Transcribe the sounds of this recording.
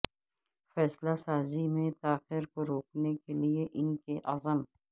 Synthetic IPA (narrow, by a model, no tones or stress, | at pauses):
fɛːslasaːzimẽt̪aːxiɾkoɾoːknekelieʔɪnkeʔɐzəm